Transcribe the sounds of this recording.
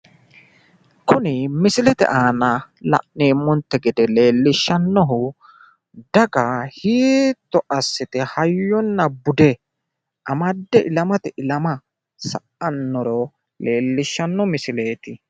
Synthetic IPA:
kʊnɪmɪsɪlɛt̪ɛ̰ʔaːnɐ | lɐ̰ʔneːmːɔnt̪ːɛɡɪd̪ɛle̞ːlːɪʃːɐnːɔɦʊ | d̪ɐɡɐhiːt̪ːɔʔɐsːɪt̪ɪhɐjːɔnːɐbʊd̪ɛ | ʔɐmɐd̪ːɛʔɪlɐmɐt̪ɪʔɪlɐmɐ | sɐ̰ʔɐnːɔɾɔ | leːlːɪʃːɐnːɔmɪsɪle̞ːt̪ɪ

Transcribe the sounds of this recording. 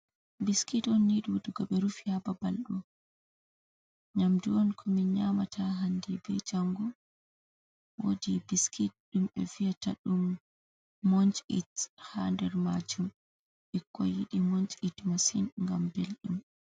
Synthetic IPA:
biskitɔnːiɗuwduɡaɓɛɾufihababalɗɔ | ɲamduɔnkʰɔmiɲamatʰaɦandibɛ̰d͡ʒaŋɡɔ | wodibiskʰit̚ɗumɛ̰fijata̰ɗumː | ɔɲt͡ʃʼḭthandɛɾmad͡ʒum | ʔɛkʰːɔ̰jiɗimɔɲt͡ʃʼitmasinŋɡambelɗum

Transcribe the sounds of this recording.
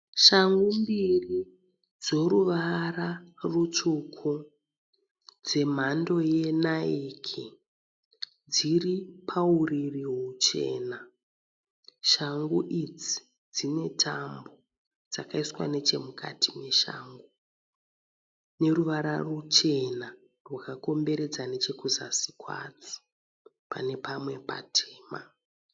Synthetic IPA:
ʃaŋɡumbiri | d͡zo̞ɾuʋararut͡ʂukʰu | d͡ze̞m̤ando̞je̞naikʰi | d͡ziripʰauririɦut͡ʃe̞̰ːna | ʃaŋɡuʔid͡zi̥ | d͡zine̞tʰambo̞ | d͡zakaiswa̰ne̞t͡ʃe̞mukʰa̰tʰimwe̞ʃa̰ːŋɡo | ne̞ruʋaɾarut͡ʃe̞na | rwakako̞mbe̞ɾe̞d͡zane̞t͡ʃe̞kuza̰si̥kwa̰t͡so̥ | pa̰ne̞pamwe̞pa̰tʰeːma̰

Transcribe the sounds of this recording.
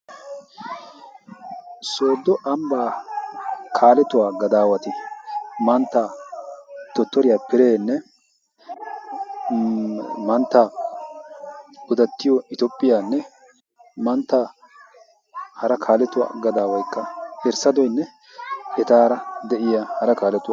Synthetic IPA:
so̞ːd̪ːɔʔɐmbaː | kʰaːlɛt̪ʊwaːɡɐd̪aːwɐt̪ɪmɐnt̪ːaː | t̪ɔt̪ːɔɾɪjaːpɪɾeːnːɛ | mɐnt̪ːa | ʊd̪ɐt̪ːɪjɔɪt̪opʼːɪjaːnːɛ | mɐnt̪ːa | hɐɾɐkʰaːlɛt̪ʊwa̰ːɡɐd̪aːwɐjkːɐhɛɾsɐd̪ɔjnːɛ | ɛt̪aːɾɐd̪ɛʔɪjahɐɾɐkaːlɛt̪ʊw

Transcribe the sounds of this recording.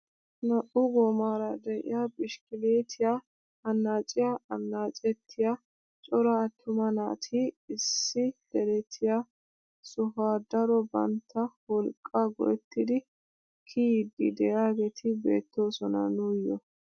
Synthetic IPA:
nɐʔʊɡɔmaːɾɐd̪ɛʔɪ̰jabɪʃkɪleːt̪ʰɪja | ɐnːaːt͡ʃʼɪjaɐnːaːt͡ʃʼɛt̪ʰːɪja | t͡ʃʼɔɾɐːt̪ʰːʊmɐna̰ːt̪ʰɪːsːɪd̪̥ɛɾɛt̪ʰːɪja | sɔfaːd̪ɐɾɔbɐ̰nt̪ʰːɐwɔlkʼːɐɡɔ̰ʔɛt̪ːɪd̪ɪ | kʰid̪ːɪ̰d̪ɛjaːɡɛt̪ʰɪbḛːt̪ːo̞ːsɔnɐ̰nujːɔ̰

